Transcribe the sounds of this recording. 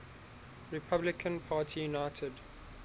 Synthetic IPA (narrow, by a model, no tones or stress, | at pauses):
ɹɪpʰablɪkʰə̃npʰaːtʰijunaɪtʰəd